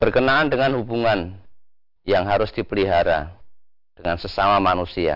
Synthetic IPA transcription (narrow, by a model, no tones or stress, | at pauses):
b̥ərkənaːndəŋanɦubuŋan | jaŋɦaɾʊsd̥ipəliɦaɾa̰ | d̥əŋansəsamamanusia̰